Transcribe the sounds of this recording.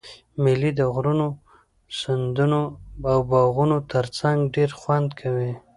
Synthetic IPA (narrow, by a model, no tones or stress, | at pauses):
mɪlid̪əɣɾuno | sand̪unoawbɑɣunot̪əɾt͡saŋɡɖeɾxwand̪kʰawi